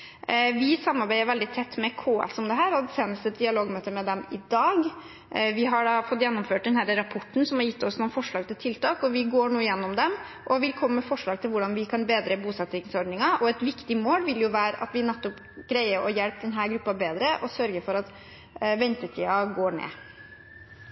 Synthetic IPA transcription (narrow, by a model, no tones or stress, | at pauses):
ʋɪsɑmːɑɾbæɪəɾʋɛld̪ɪt̪ʰɛt̪ːmɛkʰoːɛ̰sɔmd̪ɛɦæːɾɔd̪seːnəst̪əd̪ɪɑloːɡmøːt̪əɾmɛd̪ɛmɪd̪ɑːɡ | ʋɪɦɑɖɑfɔt̪ːjɛnːɔmføːʈ̚d̪ɛnhæːɾəɾɑpʰɔʈːn̩sɔmhɑɾjɪt̪ːɔsnɔfɔʂɭɑːɡ̚t̪ʰɪlt̪ʰɪlt̪ɑːkɔʋɪɡoːɳuːəjɛnːɔmd̪ɛm | ʔɔʋɪlkʰɔmːəːəfɔʂɭɑːɡ̚t̪ʰɪlʋʊɖɑnʋɪkʰɑnbeːd̪ɾəbuːsɑt̪ːɾɪŋsɔɾɖnɪŋɑʔɔɛt̪ʋɪkt̪ɪmoːlʋɪljʊʋæːɾəʔɑ̰t̪ʋɪnɛt̪ːɔp | ɡ̥ɾæɪəɾʔɔjɛlp̚d̪ɛnɦæːɾɡɾʉpːɑbeːd̪ɾəʔɔsœɾɡəfɔɾɑt̪ | ʋɛnt̪ət̪ʰiːɑɡoːɳḛː